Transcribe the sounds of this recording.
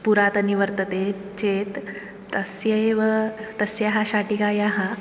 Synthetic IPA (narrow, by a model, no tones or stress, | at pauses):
puɾat̪əniʋəɾt̪ət̪et͡ɕet̪ː | əsjəeʋət̪əsjaɦaɕaʈikajaɦa